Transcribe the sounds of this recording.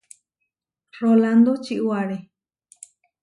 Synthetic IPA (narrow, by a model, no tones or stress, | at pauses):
roland̪ot͡ʃiʔwaɾe